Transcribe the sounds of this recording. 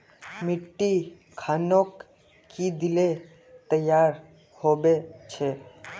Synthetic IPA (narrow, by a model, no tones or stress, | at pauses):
miʈːi | kʰanokː | id̪ile | t̪əjaɾ | hobet͡ʃʰe